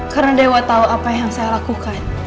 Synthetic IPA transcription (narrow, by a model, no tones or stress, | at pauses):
kaɾnadewat̪auapajaŋsajalakukan